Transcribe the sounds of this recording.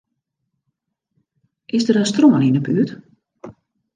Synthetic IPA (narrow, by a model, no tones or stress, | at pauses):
ʔɪsdəɾənstroməninəpyət